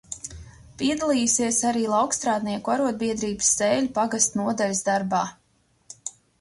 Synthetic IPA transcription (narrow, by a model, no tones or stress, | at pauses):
piɛd̪alˠiːjusiɛsaɾiːlˠɑwkst̪ɾaːd̪niɛkuaɾuɔd̪̚biɛd̪ɾiːbɨsːeːlʲupaɡast̪nuɔd̪alʲsd̪aɾbaː